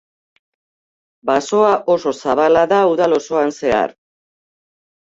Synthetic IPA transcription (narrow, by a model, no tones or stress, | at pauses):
baso̞aʔo̞so̞saβalaðauðalo̞so̞anse̞a̰ɾ